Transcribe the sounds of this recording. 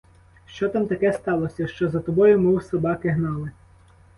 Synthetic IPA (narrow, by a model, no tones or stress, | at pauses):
ʃt͡ʃɔt̪ɑmt̪ɐkɛst̪ɑlˠɔsʲɐʃt͡ʃɔzɐt̪ɔbɔjʊmɪwsɐbɑkɪɦnɑlˠɪ